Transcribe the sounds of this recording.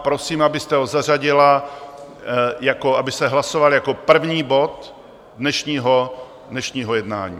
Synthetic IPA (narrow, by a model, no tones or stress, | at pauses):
pɾo̞siːmabɪst̪ɛɦo̞zar̝aɟɪla | jako̞ʔabɪst̪ɛɦlaso̞valjako̞pr̩vɲiːbo̞t̪ | dnɛʃɲiːɦo | dnɛʃɲiːɦo̞jɛdna̰ːɲḭː